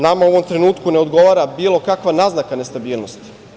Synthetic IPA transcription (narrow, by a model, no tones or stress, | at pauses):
namaoʋo̞mt̪ɾe̞nuːt̪kuneo̞d̪ɡo̞ʋaːɾabiːlˠo̞kakʋanaznakane̞st̪abiːlˠnost̪i̥